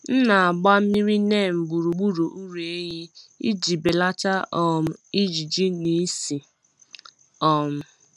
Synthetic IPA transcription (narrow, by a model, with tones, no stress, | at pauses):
n̩˦na˨a˨ɡ͡ba˦m̩˦mi˦ɾi˦ne˦˨m̩˨ɡ͡bu˨ɾu˨ɡ͡bu˦ɾu˨ʔu˦ɾe˦ɲi˦ḭ˦d͡ʒi˨be˨la˦t͡ʃa˦ʔɔ˨m̩˨i˦d͡ʒi˨d͡ʒi˦ni˨˦si˨ | ɔ˨m̩˨